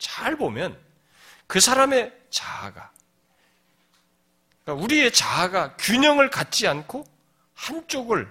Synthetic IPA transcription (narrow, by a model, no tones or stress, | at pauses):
t͡ɕaɭbomjʌn | kɯsʰaɾame̞ | t͡ɕa̰ɡa | k͈auɾie̞t͡ɕaɡakjuɲʌŋɯɭkat̚t͡ɕ͈iankʰo | haŋt͡ɕ͈oɡɯɭ